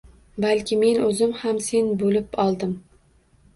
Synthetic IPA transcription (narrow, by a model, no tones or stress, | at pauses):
balkʲʰɪme̞nɵzɪmhamse̞nbolɪpɒlˠd̪ɪm